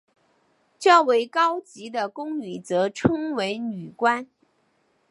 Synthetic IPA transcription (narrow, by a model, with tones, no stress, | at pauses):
ʈ͡ʂɤ˥˩we˧˥ɪkɑ˥ʊt͡ɕi˧˥d̪ə˨kʊ˥ŋy˨˩t͡sɤ˧˥ʈ͡ʂʰɤ˥ŋwe˧˥ɪny˨˩kwa˥n